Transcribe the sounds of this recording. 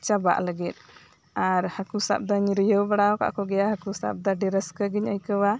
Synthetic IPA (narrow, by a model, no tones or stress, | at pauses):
t͡ʃaba̰ʔləɡit̪̚ | aɾhakusa̰p̚d̪aɲiɾjəwbaɽawka̰ʔkɔɡɛjahakusa̰p̚d̪aɖɛɾəskəɡiɲajkəwa